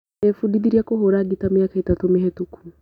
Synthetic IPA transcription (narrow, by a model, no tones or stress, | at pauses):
efudiðiɾiakoɦoɾaɡitamjakaetatomeɦetukʰu